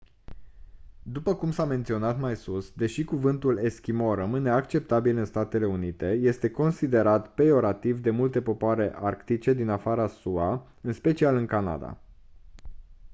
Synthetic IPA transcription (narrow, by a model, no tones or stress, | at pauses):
d̪upəkumsame̞nt̪sio̞nat̪majsusd̪e̞ʃikuvɨnt̪ule̞skʲimo̞rəmɨne̞akt͡ʃe̞p̚t̪abilɨnst̪at̪e̞le̞unit̪e̞je̞st̪e̞ko̞nsid̪e̞ɾat̪pe̞jo̞ɾat̪ivd̪e̞mult̪e̞po̞poaɾe̞ʔarkt̪it͡ʃe̞d̪inafaɾasua | ɨnspe̞t͡ʃialɨŋkana̰d̪a̰